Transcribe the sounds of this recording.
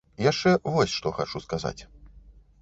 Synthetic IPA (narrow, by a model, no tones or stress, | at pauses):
jaʂt͡ʂɛvɔsʲʂt̪ɔxat͡ʂuskaza̰t͡sʲ